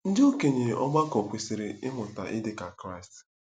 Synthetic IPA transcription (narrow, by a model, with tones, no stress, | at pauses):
n̩˦do˦ke˨ɲe˨ɔ˦ma˦kɔ˨kʷe˨si˨ɾɪ˦ɪ˦ɦʊ˨ta̰˨ʔɪ˦dɪ˦ka˨kɾa˦ɪ˨st